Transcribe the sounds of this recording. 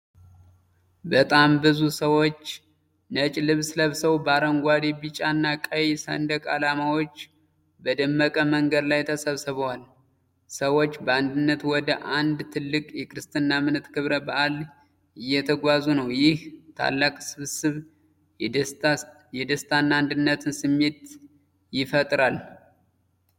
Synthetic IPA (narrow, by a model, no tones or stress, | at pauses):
bət̪ʼambɨzusəwot͡ʃː | nət͡ʃʼlɨβsləβsəwbaɾəŋɡʷad̪ibit͡ʃʼanːakʼəjsə̰nd̪əkʼa̰lamawot͡ʃː | bəd̪əmːəkʼəməŋɡəd̪lajt̪ʰəsəβsɨβəwal | səwot͡ʃːbəand̪ɨnːət̪wɔd̪əʔand̪t̪ʰɨlːɨkʼjɛkʰɾɨst̪ʰʼɨnːamɨnɨt̪kʰɨβɾəbaʔal | ɪjːɛt̪ʰəɡʷazunəwjɪht̪ʰa̰lːakʼsɨβsɨβ | jɛd̪əst̪ʰanːaand̪ɨnːət̪ʰɨnsɨmːe̞t̪ | jɪfət̪ʼɾal